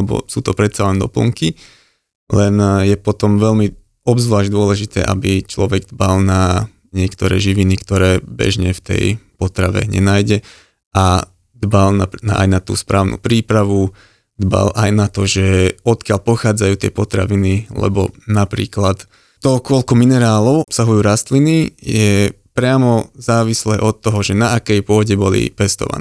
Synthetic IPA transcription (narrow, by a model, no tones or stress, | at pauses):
ɛbɔ̰suːt̪ɔpɾɛt̪salɛnd̪ɔ̰pl̩ŋki | lɛnjɛpɔt̪ɔmʋɛlmi | ɔbzʋlaːʒɟd̪ʊɔlɛʒit̪ɛ̰ːʔa̰bit͡ʃlɔʋɛɡ̚d̪balna | ɲɪɛkt̪ɔɾɛ̰ːʒiʋinikt̪ɔɾɛːbɛ̰ʒɲɛft̪ɛ̰jpɔt̪ɾaʋɛ̰ɲɛ̰naːjɟɛ | ʔa | d̪balnanaa̰jnat̪ṵːspɾʔaːʊnʔṵːpɾiːpɾaʋu | d̪ba̰lʔajnat̪ɔʒɛɔt̪kɪaʎpɔxaːd͡zajuːt̪ɪɛ̰pɔt̪ɾa̰ʋinilɛ̰bɔ̰napɾḭːklat̪ | t̪ɔkɔlkɔminɛɾaːlɔʊɔpsaɦujuːɾast̪linijɛ | pɾɪamɔzaːʋislɛːʔɔt̪ːɔɦɔʒɛnaːkɛjpʊɔɟɛbɔlḭpɛst̪ɔ̰ʋa̰nː